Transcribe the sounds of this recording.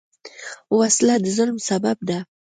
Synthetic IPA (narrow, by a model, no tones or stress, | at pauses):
waslad̪əzʊlmsabab̚d̪a